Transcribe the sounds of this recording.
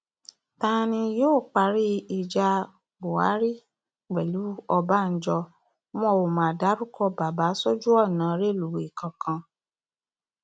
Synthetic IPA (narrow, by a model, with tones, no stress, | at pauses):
ta˦˧nĩ˧joː˦˨k͡pa˧ɾi˦i˨d͡ʒa˧ | bo˨a̰˨˦ɾi˦ | ɡ͡bɛ˨lu˨˦ɔ˧ba˦˨n̩˦d͡ʒɔ˧ | m˦ɔ̃˦˨wo˨mãː˨da˨˦ɾu˦kʰɔ˦˨ba˨ba˨˦sɔ˦d͡ʒu˦ɔ˦˨nã˨˦ɾe˦lu˨i˨kã˨kʰã˧